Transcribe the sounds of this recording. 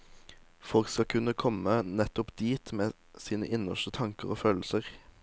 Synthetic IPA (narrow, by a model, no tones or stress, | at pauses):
fɔlkskɑkʰʉnəkʰɔmənɛt̪ɔpd̪̥iːt̪meː | siːnə̰ʔɪnəʃət̪ʰɑŋkəʁoːføːl̩səʁ